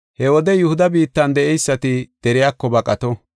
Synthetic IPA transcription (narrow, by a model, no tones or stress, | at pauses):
hɛwɔd̪ɛjʊhʊd̪ɐbiːt̪ːɐnd̪ɛʔɛjsːɐt̪ɪd̪̥ɛɾɪjaːkːɔbɐkʼɐt̪ɔ